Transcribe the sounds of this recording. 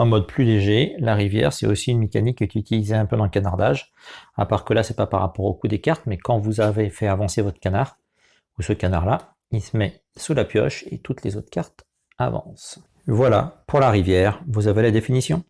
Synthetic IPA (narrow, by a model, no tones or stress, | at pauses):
ɑ̃mɔd̪plyleʒelaʁivjɛ̰ʁsɛt̪osiynmekʲanikːkʲyt̪ʰilizeɛ̃pød̪ɑ̃kanaʁd̪aʒ | a̰paʁkəlasɛpapaʁa̰pɔʁokud̪ekaʁt̪mɛkɑ̃vuzavefɛavɑ̃sevɔt̪χə̥kʲanaʁ | usəkana̰ʁla | ilsəmɛ | sulapjɔ̰ʃḛt̪ut̪lezot̪χkaʁt̪ | avɑ̰̃s | vwala̰pʰuʁlaʁivjɛːʁvuzavelad̪efinisjɔ̃